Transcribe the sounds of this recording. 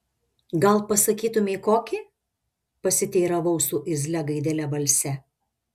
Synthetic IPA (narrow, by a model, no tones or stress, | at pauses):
ɡɐlˠpɐsɐkʲiːt̪ʊmʲeːkoːkʲi | pɐsʲɪt̪ʲeːɾɐʋɐʊsuːʔɪzʲlʲɛɡɐɪd̪ʲelʲɛbɐlʲsʲɛ